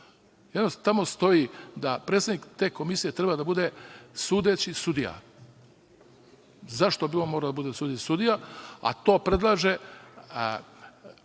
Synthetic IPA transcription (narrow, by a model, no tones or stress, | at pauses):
jed̪nost̪amo̞st̪o̞id̪apɾe̞t̪sed̪ikt̪e̞ko̞misijet̪ɾebad̪abud̪e̞suːd̪et͡ɕisud̪ija̰ | zaʃt̪o̞bilomoɾad̪abud̪esuːd̪eisud̪ijaa̰t̪o̞ːpɾe̞d̪lˠaːʒe̞